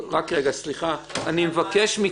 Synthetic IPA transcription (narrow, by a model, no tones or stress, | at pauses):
ʁakʁeɡasliχaanimevakeʃmi